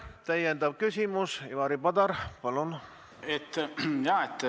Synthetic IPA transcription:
t̪æjend̪ɑb̥̚kysʲimusivɑɾipɑd̪ɑɾpɑlun | et̪ːjɑːet̪ː

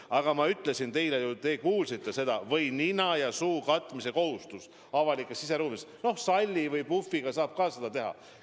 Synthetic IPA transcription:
ɑɡ̥ɑmɑyt̪ˑle̞sint̪e̞jlejut̪e̞ːkuːlsit̪ˑːe̞se̞d̪̥ɑvɤjninɑjɑsuːkɑt̪ːˑmise̞ko̞hust̪us | ɑvɑlikːˑesːise̞ɾuːmisno̞hsɑlʲːivɯjpufːiɡ̥ɑsɑːb̥̚kɑːse̞d̪̥ɑt̪e̞ɦɑ̰

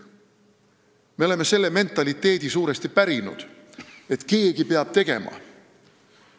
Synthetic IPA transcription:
me̞o̞leme̞se̞lːe̞me̞nt̪ːˑɑlit̪ːˑe̞ːd̪̥isuːɾe̞st̪ipæɾinṵd̪̥e̞t̪ke̞ːɡipe̞ɑb̥t̪e̞ɡ̥e̞̰mɑ̰

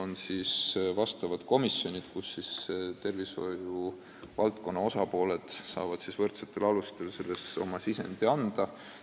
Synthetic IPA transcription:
onsisvɑst̪ɑvɑd̪̥ko̞misjo̞nʲid̪̥kusːist̪e̞rviso̞̰ju | vɑlt̪ko̞nːɑo̞sɑpo̞ːle̞d̪̥sɑ̰ːvɑd̪̥sisvɤrt̪set̪ːˑe̞lɑlust̪e̞lse̞lːe̞so̞̰mɑsisḛnd̪̥iɑnd̪̥ɑ

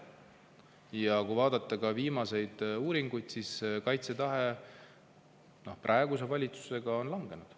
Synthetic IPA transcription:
jɑkujvɑːd̪ɑt̪ːˑɑkɑviːmɑse̞jd̪̥uːɾiŋɡ̥ujd̪̥siskɑjt̪se̞t̪ɑɦe̞ | no̞̰hprʔɑeɡus̬e̞vɑlʲit̪su̥se̞ɡ̥ɑo̞nlɑŋɡ̥e̞nud̪̥

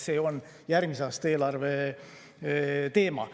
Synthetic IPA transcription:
se̞ːo̞n | jæɾmiseɑːst̪e̞ːlɑrve̞ | t̪e̞ːmɑ̰

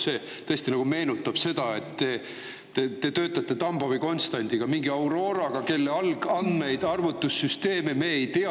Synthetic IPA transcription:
se̞ | t̪ɤesʲt̪inɑɡ̥ume̞ːnut̪ːˑɑb̥se̞d̪̥ɑe̞t̪ːe̞ː | et̪e̞t̪ø̞ːt̪ˑːɑt̪ːˑe̞t̪ɑmboviko̞nst̪ɑnʲd̪̥iɡ̥ɑmiŋɡiɑwɾo̞ːɾɑɡ̥ɑke̞lːeɑlɡ̥ɑnd̪me̞jd̪̥ɑrvut̪ːusːyst̪e̞ːmeme̞ːejt̪eɑ

